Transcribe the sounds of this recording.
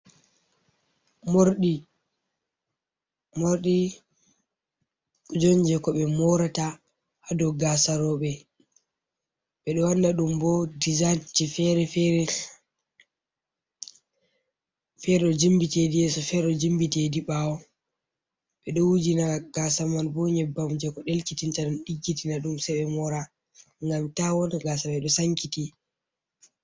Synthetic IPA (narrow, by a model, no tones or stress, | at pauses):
moɾɗi | moɾɗi | kɔd͡ʒoɲd͡ʒɛkɔɓɛmɔɾata | hadɔɡasaɾɔɓɛ | ɓɛɗɔwandaɗumbɔdizant͡ʃifɛɾɛfɛɾɛ | fɛɾɛɗɔd͡ʒimbitedijɛsɔfɛɾɛɗɔd͡ʒimbitediɓawɔ | ɓɛɗɔwud͡ʒinaɡ̥asamanbɔɲɛbamd͡ʒɛkɔɗelkitintaɗɔnɗiɡːitinaɗumsɛɓɛmɔɾa | ŋɡamtawɔnɡasamɛɗɔsaŋkiti